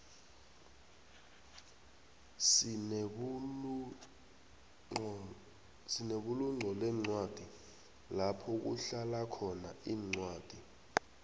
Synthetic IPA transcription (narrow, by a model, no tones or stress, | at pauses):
sineɓuluŋ͡ǀʱɔlɛŋ͡ǀwad̥ʱi | lapʰɔk̬uɬalakʰɔnaiːŋ͡ǀwaːd̥ʱi